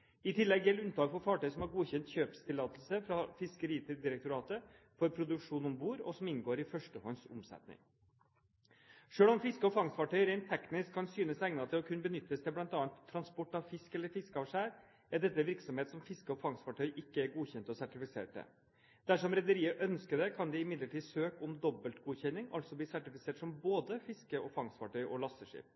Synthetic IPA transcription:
ɪt̪ʰɪlːɛɡjɛlʉnt̪ʰɑːɡfɔɾfɑːʈœʏsɔmhɑɾɡuːçɛnt̪çøːpst̪ʰɪlɑːt̪əl̩səfɾɑfɪskəɾiːt̪ʰɪd̪ɪɾɛk̚t̪ʊɾɑːt̪ə | fɔɾpʰɾʊd̪ʉkʂuːnɔmbuːɾɔ̰sɔmɪnɡoːɾɪfœʂʈəhɔnsʊ̰msɛ̰t̪nɪ̰ŋ | ʂøːɭɔmfɪskəɔfɑŋsfɑʈʰœʏɾɛɪnt̪ʰːɛknɪskʰːɑnsyːnəsæɡnɑt̪ʰɪlɔkʰʉnːəbənʏt̪ːəst̪ʰɪlblɑnt̪ɑːɑnt̪ʰːɾɑnspɔʈːɑʋfɪskɛlːəɾfɪskəɑʋʂæːɾ | æɖ̪ɛt̪ːəʋɪɾksɔmheːt̪sɔmfɪskəɔfɑŋsfɑʈʰœʏʔɪkːəæɾɡuːçɛnt̪ɔsæʈɪfɪsḛːʈ̚d̪ɛ̰ | d̪̥æʂɔmɾɛd̪əɾiːəʔœnskəd̪ɛkʰɑnd̪ɪɪmɪd̪ləʈiːsøːkɔmd̪ɔbəlt̪ɡuːçɛnːɪŋɑ̰lt̪sɔbliːsæʈɪfɪseːʈsɔmboːd̪əfɪskəɔfɑŋsfɑʈʰœʏʔɔlɑsəʂḭːp̚

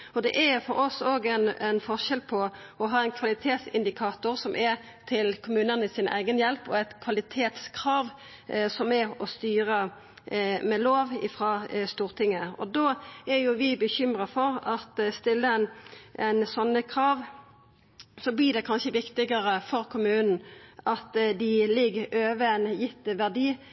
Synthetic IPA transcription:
ɔd̪ɛ̰ʔæfɔɾɔsoːɡæɪnɛnfɔʁʃɛlpʰɔ | ɔɦɑːɛɪnkʰʋɑlɪt̪ʰeːt̪sɪ̰nd̪ɪkʰɑːt̪ʊʁsɔmʔɛ | t̪ʰɪlkʰʊmʉːnənɪsɪnæ̰ɪɡənjɛlpɔ̰æɪt̪kʰʋɑlɪt̪ʰeːt̪skʰɾɑːʋ | sɔmɛɔst̪yːʁə | mɛloːʋɪ̰fɾɑːst̪uːʁt̪ʰɪŋːəɔ̰d̪oːæɾjʊʋɪbəçʏmʁəfɔʁɑt̪st̪ɪlːəɛnʔɛnsɔnːəkʰʁɑːʋ | sɔblɪd̪ɛkʰɑnʃəʋɪkt̪ɪɡəʁəfɔʁkʰʊmʉːnn̩ʔɑt̪d̪ɪlɪɡøːʋənjɪt̪ːəʋæʁd̪iː

